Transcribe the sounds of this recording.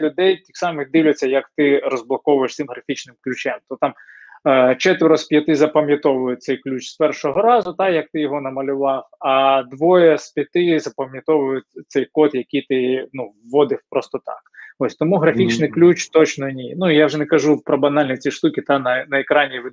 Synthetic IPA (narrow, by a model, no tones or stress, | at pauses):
lʲʊd̪ɛjt̪ʲixsɑmɪxd̪ɪwlʲɐt͡sʲːɐjɐkt̪ɪɾɔzblˠɐkɔʋʊjeʃt̪sɪmɦɾɐfʲit͡ʃnɪmklʲʉt͡ʃɛmt̪ɔt̪ɑm | t͡ʃɛt̪ɪɾɔspʲjɐt̪ɪzɐpɐmʲjɐt̪ɔʋʊjʊtsɛjklʲut͡ʃspɛrʃɔɦɔɾɑzʊt̪ɑjɐk̚t̪ɪjɔɦɔnɐmɐlʲʊʋɑfɐd̪ʋɔjɛspʲjɐt̪ɪzɐpɐmʲjɐt̪ɔʋʊjʊtʲt̪sɛjkɔt̪jɐkʲit̪ɪnuʋːɔd̪ɪfpɾɔst̪ɔt̪ɑ̰kɔsʲt̪ɔmuɦɾɐfʲit͡ʃnɪjklʲut͡ʃt̪ɔt͡ʃnɔnʲinuijawʒɛnɛkɐʒupɾɔbɐnɑlʲnʲit͡sʲiʂt̪ukʲit̪ɑnɐnɐɛkɾɑnʲiʋɪ